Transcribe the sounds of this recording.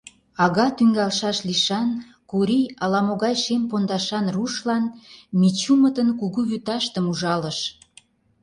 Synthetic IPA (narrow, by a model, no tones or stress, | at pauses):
ɑɣɑt̪yŋɡɑlʃɑʃliʃɑn | kuɾijɑlɑmoɣɑjʃempond̪ɑʃɑnruʃlɑnmit͡ɕumət̪ənkuɣuβyt̪ɑʃt̪əmuʒɑləʃ